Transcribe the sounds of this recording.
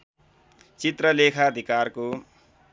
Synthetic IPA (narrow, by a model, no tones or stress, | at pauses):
t͡sit̪rʌlekʰaːd̪ʱikarko